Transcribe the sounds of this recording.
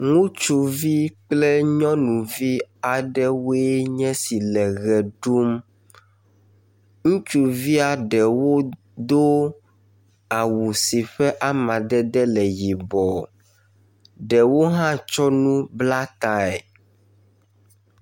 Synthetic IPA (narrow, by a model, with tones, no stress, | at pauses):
ŋũ˦t͡ʃu˨vi˦k͡plɛ˦ɲɔ̃˦nũ˨vi˦a˨ɖɛ˦wo˦e˦ɲɛ̃˦si˨lɛ˨ɣɛ˨ɖu˦m | ŋũ˦t͡ʃu˨vi˦a˨ɖɛ˨wo˦ | d̪o˦ | a˨wu˨si˨ɸɛ˦ʔa˦mã˨ɖɛ˦d̪ɛ˦lɛ˨ji˨bɔ˨ | ɖɛ˨wo˦ɦã˦t͡ʃɔ˦nũ˦bla˦t̪a˦ɛ˨